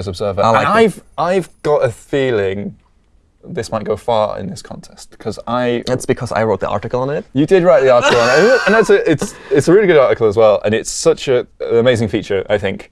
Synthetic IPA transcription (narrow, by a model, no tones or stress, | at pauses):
ɪzəbzɜ˞vəaɪaɪvaɪvɡ̥ɑtəfiːlɪ̃ŋ | ðɪsmaɪt̚ɡ̥oʊfɑːɹɪ̰̃nðɪskʰɒ̰̃ntʰɛstkʰʌza̰ɪɪtsb̥ɨkʰʌza̰ɪɹoʊt̪̚ðḭʔɑ̰ˑɹtɪkəlˠə̃nɪtjɨdɪd̚ɹaɪʔ̪̚ðiɑˑɹˑtɪkəl̩ˠə̃nə̃nðətsəʔɪtsɪtsəɹɪːliɡʊɾɑˑɹtɪkəlˠəzwɛlˠə̰̃nɪtsʌt͡ʃəənəmeɪzɪ̃ŋfiˑt͡ʃə˞ʔa̰ɪθɪ̃ŋk